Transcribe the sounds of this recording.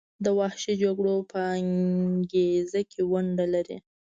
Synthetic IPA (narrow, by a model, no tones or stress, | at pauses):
d̪əwahʃid͡ʒaɡɽopʰəaŋɡezakʰewaɳɖalaɾḭ